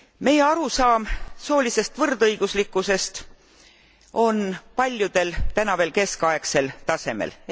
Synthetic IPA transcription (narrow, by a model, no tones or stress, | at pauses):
me̞je̞ɑɾusɑːmso̞ːlise̞st̪vɤrd̪ɤjɡ̥uslikːˑuse̞st̪ | o̞npɑlʲjud̪̥e̞lt̪ænɑve̞ːlke̞skɑekse̞lt̪ɑse̞mḛl